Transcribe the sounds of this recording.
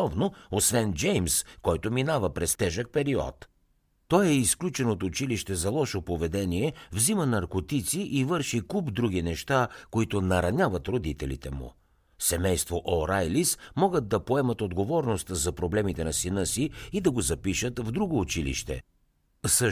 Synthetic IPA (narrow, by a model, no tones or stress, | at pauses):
ɔvnoosvɛnd͡ʒɛjmskɔjt̪ʊminavəpɾɛst̪ɛʒək̚pɛɾiɔ̰t̪ | t̪ɔjɛisklʲut͡ʃɛnoot̪ʊt͡ʃiliʃt̪ɛzɐlˠɔʃopovɛd̪ɛniɛvzimənɐɾkot̪it̪siʔivɤɾʃikubd̪ɾuɡinɛʃt̪akoit̪ʊnɐɾɐnʲavɐt̪ɾod̪it̪ɛlḭt̪ɛmṵ | sɛmɛjst̪voʔoɾajlismɔɡəd̪̚ːɐpoɛmət̪od̪ɡovɔɾnost̪zɐpɾoblɛmit̪ɛnɐsinɤsiːd̪ɐɡozɐpiʃət̪vd̪ɾuɡoːt͡ʃilḭʃt̪ɛ̰ | sə